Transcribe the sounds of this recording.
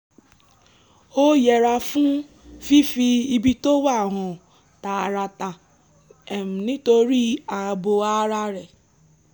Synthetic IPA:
o˦je˨ɾa˦fʊ˦ | fi˦fi˧i˦bi˦to˦wa˦˨ɦʊ˨ | ta˨a˨ɾa˨ta˨ | e˨m̩˨nɪ˦to˦ɾi˦a˨bo˨a˦ɾa˦ɾe˨

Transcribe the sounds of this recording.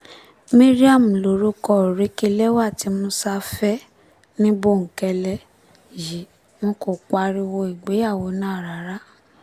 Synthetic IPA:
mĩ˦ɾi˦a˦˨m̩˨lo˨ɾu˦kɔ˧˨ɾi˨˦ki˦˧lɛ˦wa˦˨ti˨˧˦mũ˧˦sa˧˦fɛ˦ | nĩ˦bo˦˨ŋ̩˨kɛ˧lɛ˦ | ji˨ | mɔ̃˧ko˨k͡pa˨˧ɾi˦˧wo˧i˨ɡ͡be˨˦ja˦˨wo˧˦nãː˦˨ɾa˨˦ɾa˦

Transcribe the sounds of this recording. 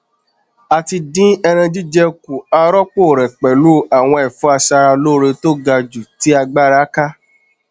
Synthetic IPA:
a˨ti˧dĩ˦ɛ˧ɾ̃ã˧d͡ʒi˦d͡ʒɛ˧ku˨a˧ɾɔ˦k͡po˦˨ɾɛ˨k͡pɛ˨lu˦˨a˨w̃ɔ̃˧ɛ˨fũ˦a˧sa˧ɾa˧lo˦ɾe˧to˦ɡa˧d͡ʒu˨ti˨˦a˧ɡ͡ba˦ɾa˦ka˦

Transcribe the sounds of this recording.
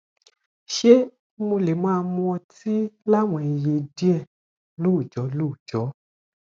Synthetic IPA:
ʃe˦ | mo˧le˨mã˦˧mũ˧ɔ̃˧ti˦la˦wɔ̃˨e˨je˨di˦ɛ˦˨ | lo˦˨d͡ʒɔ˨˦lo˦˨d͡ʒɔ˨˦

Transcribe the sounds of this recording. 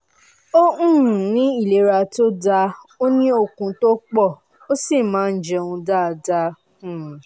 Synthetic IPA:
õ˦˨nĩ˨˦i˦˨le˨˦ɾa˧to˦da˧ | o˦nĩ˦o˧˨kũ˧to˦k͡pɔ˦˨ | o˦si˦˨mãː˨˦n̩˨d͡ʒɛ˧ũ˧da˦˨da˧˨

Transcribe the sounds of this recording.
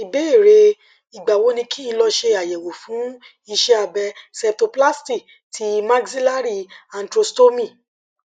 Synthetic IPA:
i˨be˨˦e˦˨ɾe˧ | i˨ɡ͡ba˨wo˨˦nĩ˧kʰi˦i˧lɔ˧ʃe˧a˨jɛ˨wo˨fũ˨˦ | i˧ʃɛ˦a˧bɛ˧sɛ˧p̚to˧pla˦sti˦˨ | tʰi˨˦mã˦ɡsi˦la˦ɾi˧a˧n̩˨tɾo˧sto˦mĩ˦˨

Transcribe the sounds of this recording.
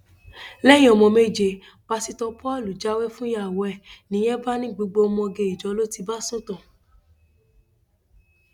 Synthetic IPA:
lɛ˦j̃ĩ˦ɔ˨mɔ̃˧me˦˨d͡ʒe˧˨ | b̥a˧si˧tɔ˧pʰɔ˦˨lu˨d͡ʒa˦wɛ˦fũ˦jwɔ˨ɛ˦˨nĩ˨˦j̃ɛ˦ba˦nĩ˦ɡ͡bu˧˦ɡ͡bo˧mɔ̃˧ɡe˧˨i˨d͡ʒɔ˨˦lo˦ti˧ba˦sũ˦tɔ̃˦˨

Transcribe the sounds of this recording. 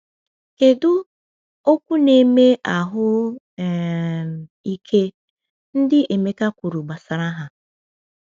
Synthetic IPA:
ke˨dʊ˦ | o˦kʷu˦ne˦me˦ʔa˨ɦʊ˦˨ | i˦kʰe˦ | n̩˦dɪ˦ʔe˨me˦ka˦kʷu˨ɾu˨ɡ͡ba˨sa˨ɾa˦ɦa˨

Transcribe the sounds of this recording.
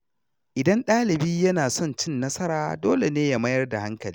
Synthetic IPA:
ʔɪ˨dɐ˦nɗaː˦lɪ˨biː˦jɐ˦naː˨sɔ˦˨nt͡ʃɪ˦nːɐ˦sɐ˦ɾaː˨doː˦le˨neː˦ja˦mɐ˦jɐ˦rda˨ha˦ŋkɐ˨liː˦

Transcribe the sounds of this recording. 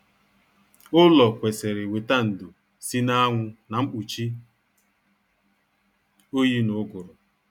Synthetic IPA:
ʊ˦lɔ˨kʷe˨se˨ɾɪ˨we˨ta˦n̩˨do˨ | si˦na˦ŋʷʊ˦na˨m̩˦k͡pu˨t͡ʃi˦ | o˦ji˦nʊ˨˦ɡʊ˨ɾʊ˨

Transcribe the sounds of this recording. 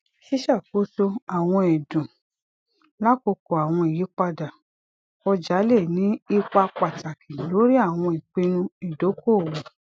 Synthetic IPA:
ʃi˦ʃa˦˨ko˨˦so˧a˨w̃ɔ̃˧ɛ˨dũ˨ | la˦ko˧ko˨a˨w̃ɔ̃˧i˨ji˨˦k͡pa˧da˨ | ɔ˧d͡ʒa˨˦le˦˨nĩ˦i˦k͡pa˧k͡pa˨ta˨kʰi˨lo˨˦ɾi˦a˦˨w̃ɔ̃˧i˨k͡pe˧nũ˧i˨do˨˦ko˦˨wu˨

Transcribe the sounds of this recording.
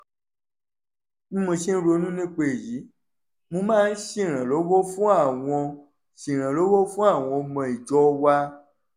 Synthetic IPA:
n̩˦mõ˧ʃi˦n̩˦ɾo˧˦nũ˦nĩ˦k͡pe˦˨ji˨˦ | mõ˧mãː˦˧n̩˦ʃĩ˦˨ɾ̃ã˨lo˨˦wo˦fũ˦a˦˨w̃ɔ̃˧ | ʃĩ˨ɾ̃ã˨lo˨˦wo˦fũ˦a˦˨w̃ɔ̃˧mɔ̃˧i˨d͡ʒɔ˦wa˧

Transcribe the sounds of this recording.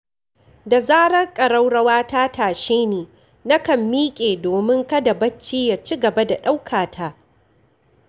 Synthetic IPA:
da˨zaː˦ɽɐ˦rkʼɐ˨ɽɐ˦wɽɐ˦waː˦taː˦taː˨ʃeː˦neː˨ | na˦kɐ˨mːiː˦kʲʼeː˨doː˨mɪ˦ŋkɐ˦da˨bɐ˦t͡ʃːiː˦ja˨t͡ʃi˦ɡɐ˨ba˦da˨ɗa˦wkʰaː˨tʰaː˦

